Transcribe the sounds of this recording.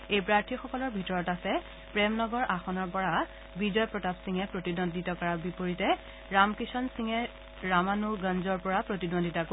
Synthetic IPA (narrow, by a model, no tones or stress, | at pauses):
ejpɹaɹtʰixɔkɔlɔɹbʱitɔɹɔtasɛ | pɹɛmnɔɡɔɹʔaxɔnɔɹpɔɹa | bizɔjpɹɔtapsiŋɛpɹotidondʱitɔkɔɹabipoɹitɛ | ɹamkisɔnsiŋɛ | ɹamanuɡãnzɔɹpɔɹapɹotidondʱitako